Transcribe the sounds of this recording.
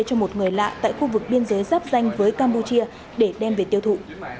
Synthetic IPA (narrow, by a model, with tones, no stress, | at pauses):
t͡ɕɔ˧mo˨˩t̚ŋɨ˨˩əjla̰ː˧˨t̪a̰ː˧˨jxu˧vɨ˨˩k̚ɓi˧ənzəː˨˦jzaː˦˥p̚za˧jŋ̟vəː˨˦jkaː˧mpu˧t͡ɕi˧ə | ɗe˧˩ɗɛ˧mve˨˩t̪i˧əwt̪ʰṵ˧˨